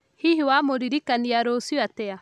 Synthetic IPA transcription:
hiɦiwamoɾiɾikaniaɾosiatɛa

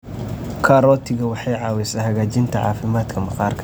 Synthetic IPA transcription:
kʰaɾɔt̪ʰɪɣɐwɑħɑjʕaːwɛsɐhɐɣaːd͡ʒɪnt̪ʰɐʕa̰ːfɪmaːt̪kʰɐmɐxaːɾkʰɐ

